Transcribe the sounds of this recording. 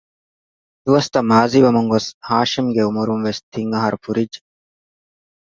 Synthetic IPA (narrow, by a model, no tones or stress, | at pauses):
d̪uwɐst̪ɐmaːzibɐmɐŋɡoshaːʃimɡeumɐɾumʋest̪ʰiŋɡɐɦɐɾfuɾid͡ʒ